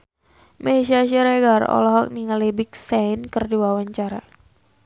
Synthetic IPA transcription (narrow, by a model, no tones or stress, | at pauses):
mɛʃiaʃiɾɛɡarɔ̰lɔɦɔk̚niŋalibik̚sankərdiwawaɲt͡ʃaɾa